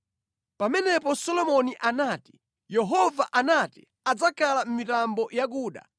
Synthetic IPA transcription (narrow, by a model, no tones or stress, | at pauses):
pamɛnɛpɔsɔlɔmɔniʔanaːti̥ | jɛɦɔvaʔanatḭ | ad͡zakʰalam̩mitambɔjaɡuːɗa̰